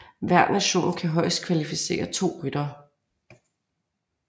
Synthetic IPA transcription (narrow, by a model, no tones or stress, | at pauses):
ʋæɐ̰d̥næɕo̝̰ːnkʰæɦɒ̽ɪsd̥̚kʰʋælifise̝̰ːɐt͡sʰo̝̰ːʁyd̥ɐː